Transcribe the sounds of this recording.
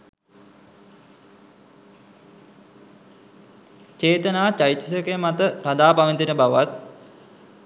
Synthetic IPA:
t͡ʃeːt̪ənaːt͡ʃait̪ːisəkejəmat̪əɾad̪aːpaʋənt̪inəbaʋʋat̪̚

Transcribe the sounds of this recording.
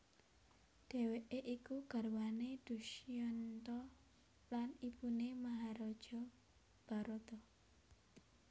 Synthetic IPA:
d̪̥e̤weʔeʔikuɡ̥a̤ɾwaned̪̥ṳʃijɔnt̪ɔ | lanipunemaɦaɾɔd̥ʒ̥ɔ | b̥a̤ɾot̪ɔ

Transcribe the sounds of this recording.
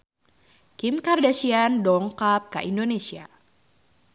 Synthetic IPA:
kimkardasiandɔŋkap̚ka̰ʔindonesia̰

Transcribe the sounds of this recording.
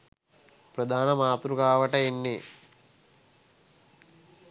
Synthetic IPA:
pɾɐd̪ʱaːnɐmaːt̪ɾukaːʋɐʈɐinːi

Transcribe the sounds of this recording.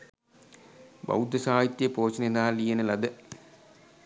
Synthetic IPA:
bɐ̰wd̪ɐsaːjit̪ːjɐpoːt͡ɕːɐnenːaːlijɐnɐlɐd̪ɨ

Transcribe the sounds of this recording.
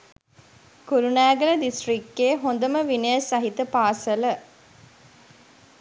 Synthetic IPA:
kuɾunæːɡɐlɐd̪isʈrikːeːɦond̪əməʋinɐjəsɐɦit̪ɐpaːsələ

